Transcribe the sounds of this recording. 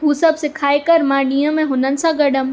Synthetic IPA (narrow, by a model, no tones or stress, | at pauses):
ɦusɐbsɪkʰaːekɐɾmãːɖiːə̃mẽɦʊnənɪ̆sãɡɐɽəm